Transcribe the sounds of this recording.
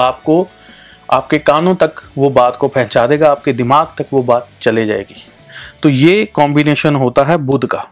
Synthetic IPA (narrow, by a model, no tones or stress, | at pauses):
aːp̚ko | a̰ːp̚kekaːnõt̪ɐkʋobaːt̪kopɛɦt͡ʃaːd̪eːɡaaːp̚ked̪ɪmaːɡt̪ɐkʋobaːt̪̚t͡ʃɐled͡ʒa̰ːḛːɡeː | t̪ojeːkɔːmbɪneːʃənɦoːt̪aɦɛbʊd̪ʱkaː